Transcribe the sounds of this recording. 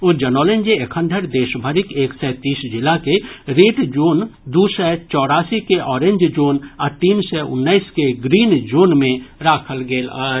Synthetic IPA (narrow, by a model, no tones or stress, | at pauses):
oːd͡ʒɐnɔːlẽnd͡ʒeekʰə̃nd̪ʱəɾd̪eːʃbʱəɾɪkeːksɛːt̪iːsd͡ʒɪlakeɾeːʈd͡ʒoːnd̪usɛt͡ʃɔːɽaːsikeʔɔːɾẽɲd͡ʒd͡ʒoːnaːɾt̪iːnsɛʊ̰nːaiskeɡɾiːnd͡ʒoːnmẽɾaːkʰəlɡeːlaː